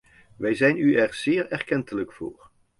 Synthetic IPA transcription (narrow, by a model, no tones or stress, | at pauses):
ʋɛjzɛjnyɛɹz̥ɪːɹɛɹkɛntələkfo̰ːɹ